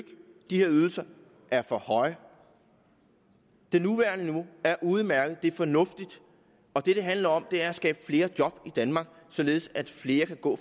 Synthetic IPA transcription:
ɡ̥d̥ihe̝ɐyð̞ˠl̩sɐ | ʔæɐfɒ̽hɒ̽ɪ | d̥e̝nuʋæɐnəniʋo̝æɐʔuð̞̩ˠmæɐɡ̥ð̩ˠd̥e̝æɐfɒ̽nɔ̽fd̥id̥ | ɒ̽d̥e̝ɾ̥e̝ɦænlɐɒ̽m̰d̥e̝æɐæsɡ̥ɛ̰ːb̥əfle̝ːɐd̥jɒ̽b̥id̥ænmɑ̈ːɡ̥sɒ̽le̝ːð̞̩ˠsæd̥fle̝ːɐkʰæɡ̥ɔ̰ː

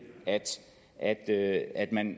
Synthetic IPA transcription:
æd̥ | ʔæd̥øæd̥mæn

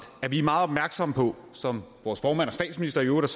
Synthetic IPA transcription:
æɐʋimɑ̈ːð̞̩ˠɒb̚mæɐɡ̥sɒ̽məpʰɒ̽ | sɒ̽mʋɒːsfɒːmæn̰ɒ̽sd̥ɛ̰ːd̥sminisd̥ɐjoːɾ̥ɐs

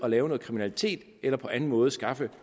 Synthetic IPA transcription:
ɒ̽lɛːʊno̽ːð̩kʰʁiminælit͡sʰe̝̰ːd̥ | elɐpʰɒ̽ʔæn̩mɔ̽ːð̞̩ˠsɡ̥ɑ̈fə

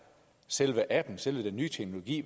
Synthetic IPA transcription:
selʋəʔæb̥n̩selʋəd̥enːyːt͡sʰeɡ̥no̝lo̝ɡ̥ḭːʋ

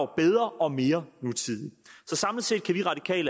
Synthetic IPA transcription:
b̥eð̞ˠʁɐʔɒ̽me̝ːɐnut͡sʰiðˠisɒ̽sɑ̈ml̩ˠse̝d̥̚kʰæʋiʁɑ̈d̥ikʰɛ̰ːlə

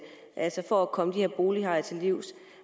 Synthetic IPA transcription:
ʔælsɒfɒækʰɒ̽məd̥iheɐb̥o̝ːlihɑ̈ɪ̰ɐt͡sʰe̝lːiʊ̰s

